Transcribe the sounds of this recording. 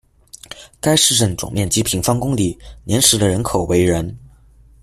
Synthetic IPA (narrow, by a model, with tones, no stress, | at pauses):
ka˥ɪʂɻ̩˥˧ʈ͡ʂə˥˩nʈ͡ʂʊ̰˨˩ŋmjɛ˥˩nt͡ɕi˥pʰi˧˥ŋfɑ˥ŋkʊ˥ŋli˨˩njɛ˧˥nʂɻ̩˧˥d̪ə˧ɻə˧˥nkʰo˨˩ʊwe˧˥ɪɻə˧˥n